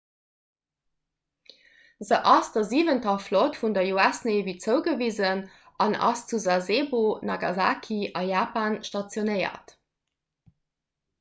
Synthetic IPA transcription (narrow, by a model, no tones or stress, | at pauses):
zəʔɑsdɐziːvəntɐflotfundɐjoæsnevit͡səʊɡəviːzən | ʔɑ̰nʔɑ̰st͡suzazeːbonɑɡɑ̰za̰ːkʰiʔɑjaːpaːnʃtɑt͡sjonəɪɐ̰t